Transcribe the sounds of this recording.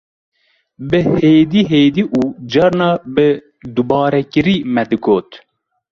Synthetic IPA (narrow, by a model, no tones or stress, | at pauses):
bɨheːd̪iːɦeːd̪iːʔuːd͡ʒɑɾnɑːbɨ | d̪ubɑːɾɛkɨɾiːmɛd̪ɨɡoːt̪